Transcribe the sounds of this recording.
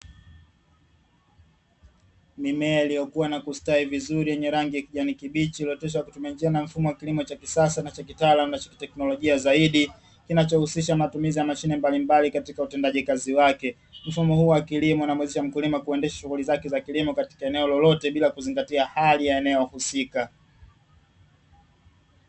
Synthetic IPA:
mimɛailijɔkuwanakustaivizuɾijɛɲɛɾaŋɡijakiʄanikiɓit͡ʃiliɔtɔʃ̬aakutumiand͡ʒianam̩fumɔwakilimɔt͡ʃakisasanat͡ʃakitaːlamunat͡ʃḁki̥tɛknɔlɔʄiazaiɗi | kinat͡ʃɔhusiʃamatumizijamaʃinɛmbalimbalikatikautɛndaʄikaziwakɛ | m̩fumɔhuwakilimɔunamwɛzɛʃam̩kulimakuɛndɛʃḁʃuɣulizakɛzakilimɔkati̥kaɛnɛɔlɔlɔtɛɓilakuziŋɡatiahalijaɛnɛɔhusika

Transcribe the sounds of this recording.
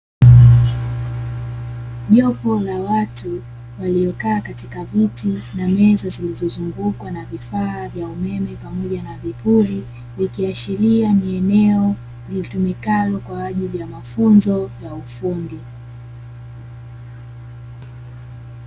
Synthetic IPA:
ʄɔpɔlawatu | waliɔkaːkatikavitinamɛzazilizɔzuŋɡukwanavifaːvjaumɛmɛpamɔʄanavipuli | vikiaʃilianiɛnɛɔ | vitumikalɔkwaːʄilijamafunzɔjaufundi

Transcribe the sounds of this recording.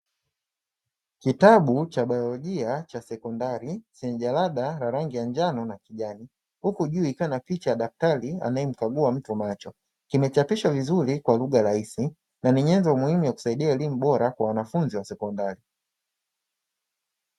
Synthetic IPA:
kitaɓut͡ʃaɓajɔlɔʄiat͡ʃasɛkɔndaɾisɛnʄalaɗaɾaɾaŋɡijand͡ʒanɔnakiʄani | hukuʄuːikaanapit͡ʃajaɗaf̚taɾia̰naɛm̩kaɡuam̩tumat͡ʃɔ | kimɛt͡ʃapiʃavizuɾikwaluɠaɾaisi | naniɲɛndɔmuhimujaku̥saiɗiaɛlimuɓɔɾakwawanafunziwasɛkɔndaɾi

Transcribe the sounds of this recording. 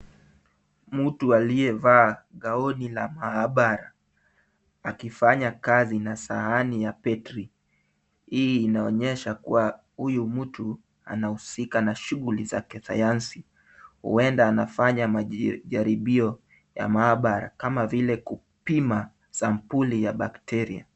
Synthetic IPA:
m̩tualiɛvaːɠaɔnila̰maaɓaɾa | kifaɲakazinasa̰hanijapɛtɾi | hiːnaɔɲɛʃakuwa | hujumm̩tu | a̰nahusikanaʃuɣuliza̰kɛsa̰jansi | hṵɛndaːnafaɲamaʄaɾiɓiɔ | ja̰maːɓaɾa̰kamavilɛku | pima | sampulijaɓaktɛɾia̰

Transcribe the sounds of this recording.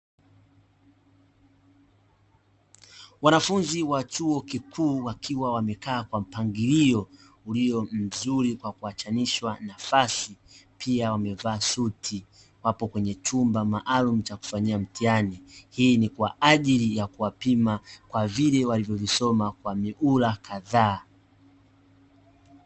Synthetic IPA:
wanafunziwat͡ʃuɔkikʰuːwakʰiwawamɛkaːkwam̩paŋɡiliɔ | uliɔm̩zuɾikwakuat͡ʃaniʃwanafasi | pʰiawamɛvaːsutʰi | wapɔkwɛɲɛt͡ʃumbamaʔalum̩t͡ʃaku̥faɲiam̩tianihiːnikwaʔaʄilijakuwapimakwavilɛwalivjɔvisɔmakwamiʔulakʰaðaː

